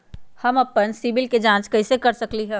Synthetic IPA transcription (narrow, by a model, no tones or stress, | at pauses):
hɐmɐpːənsiːbɪlked͡ʒãːt͡ʃkɐisekɐɾsɐkliɦɛː